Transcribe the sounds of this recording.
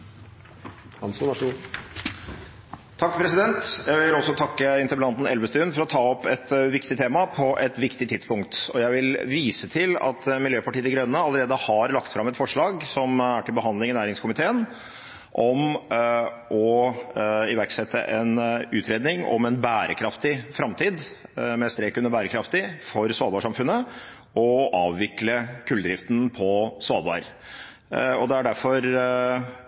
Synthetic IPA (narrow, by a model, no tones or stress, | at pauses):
hɑnsʂ | t̪ʰɑkːpʰɾɛsɪd̪ɛnt̪jæɪʋɪlɔsːɔt̪ʰɑkːəɪnt̪əɾbənɑnt̪nɛlʋəst̪ʉːnfɔɾɔt̪ʰɑːɔpːɛt̪ʋɪkt̪ɪt̪ʰeːmɑpʰɔʔɛt̪ʋɪkt̪ɪt̪ʰɪd̪spʊŋk̚t̪ɔjæɪʋɪlʋiːsət̪ʰɪlɑ̰t̪mɪljøːpʰɑʈiːd̪ɪɡɾœnːəɑləɾeːd̪əhɑɾlɑkt̪fɾɑmɛt̪fɔʂɭɑːɡsɔmæʈɪlbəɦɑnd̪lɪŋɪnæːɾɪŋskʰʊmɪt̪ʰeːən | ʔɔm | ʔɔ | ɪʋæɾksɛt̪ʰːə̰ʔɛnʉːt̪ʰɾeːd̪nɪŋɔ̰mɛnbæːɾəkʰɾɑft̪ɪfɾɑmt̪ʰiːd̪mɛst̪ɾɛkːʉnːəbæːɾəkʰɾɑft̪ɪfɔɾsʋɑːd̪ʋɑʂɑmfʉnːə | ɔʔɑːʋʋɪkləkʰʉld̪ɾɪft̪npʰɔsʋɑːd̪ʋɑ̰ːɾ | ɔd̪ɛæɖæɾfɔɾ